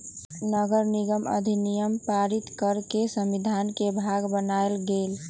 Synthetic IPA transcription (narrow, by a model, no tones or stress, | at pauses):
nəɡəɾniɡəmə̰d̪ʱinijəmpaɾit̪kəɾkesəmid̪ʱankebʱaɡbənaelɡel